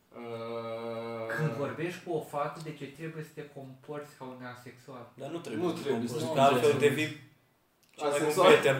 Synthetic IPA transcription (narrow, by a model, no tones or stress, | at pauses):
ə | kɨnd̪vo̞rbe̞ʃt̪ʲkuofat̪əd̪e̞t͡ʃe̞t̪ɾe̞buje̞sə̥t̪eko̞mport̪sʲkaunease̞ksuald̪anut̪ɾeb̪esakəd̪evi | t͡ʃauet̪e